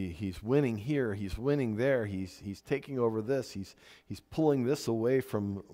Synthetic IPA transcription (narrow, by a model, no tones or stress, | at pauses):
izwɪ̃ñɪ̃ŋɦiɹizwɪ̃ñɪ̃ŋðə˞iz̥hiz̥tʰeɪkɪ̃ŋoʊvə˞ðɪshiz̥hiz̥pʰʊlˠɪ̃ŋðɪsəweɪfɹʌ̃m